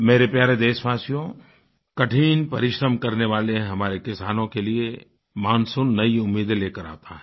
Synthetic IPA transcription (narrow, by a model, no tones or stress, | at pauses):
meːɾepjaːɾed̪eːʃbaːsijõ | kɐʈʰiːnpɐɾɪʃɾəmkɐɾneʋaːleɦɐmaːɾekɪsaːnõkelie | maːnsʊnːɐiʊmːiːd̪leːkəɾa̰ːt̪aɦɛ̃ː